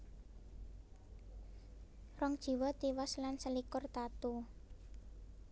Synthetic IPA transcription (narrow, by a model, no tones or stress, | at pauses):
rɔŋd̥ʒ̥i̤wɔt̪iwɔslansəlikʊrt̪at̪u